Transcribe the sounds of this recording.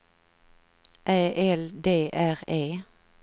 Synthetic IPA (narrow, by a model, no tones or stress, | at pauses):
ʔæːʔɛld̪eːʔæʁeː